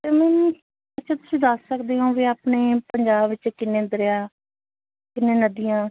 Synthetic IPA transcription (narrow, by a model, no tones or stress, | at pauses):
t̪eːmɛ̃ː | ətʃʰaːt̪ʊ̥sĩːd̪əsːəkd̪eːɦõːʋiːaːpneːpəɲd͡ʒaːbʋɪt͡ʃkɪnẽːnd̪əɾeːaː | kɪnːẽːnəd̪ijãː